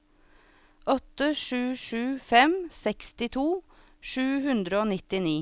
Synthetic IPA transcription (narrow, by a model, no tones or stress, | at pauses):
ʔɔt̪əʃʉːʂʉːfɛmsɛkst̪ɪt̪ʰuː | ʃʉːhʉnd̪ɾəoːnɪt̪ɪniː